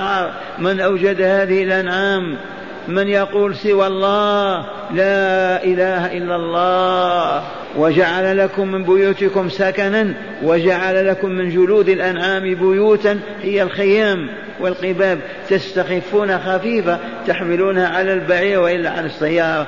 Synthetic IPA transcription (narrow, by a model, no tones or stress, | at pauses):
ɑɾˤ | mɪnʔawd͡ʒad̪haːðɪhɪlʔanʕaːmː | ɪnjɑquːlsɪwalˤːɑːh | laʔɪlaːhaʔɪlːalˤːɑː | wad͡ʒaʕalalakʊmːɪnbʊjuːt̪ɪkʊmsakanan | wad͡ʒaʕalalakʊmːɪnd͡ʒʊluːd̪əlʔanʕaːmbʊjuːt̪an | hɪjːalxɪjaːm | wɪlqɪbaːb̚ | t̪ast̪axɪfːuːnaxafiːfa | t̪aħmɪluːnhaʕalalbaʕiːɾwʔɪlːaʕa̰lasːajːɑːɾˤɾˤɑ